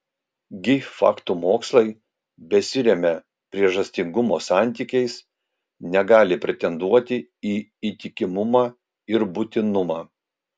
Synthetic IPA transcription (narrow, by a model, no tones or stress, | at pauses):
ɡʲɪfɑ̰ːkt̪umoːkslˠɐɪ | bʲɛsʲɪɾʲɛmʲɛ | pʲɾʲiɛʒɐsʲt̪ʲɪŋɡʊmoːsɑˑnʲt̪ʲiːkʲɛɪs | nʲɛɡɑːlʲɪpʲɾʲɛt̪ʲɛnd̪uɔt̪ʲɪiːiːt̪ʲɪkʲɪmʊmɑː | ɪɾbʊt̪ʲɪnʊmɑː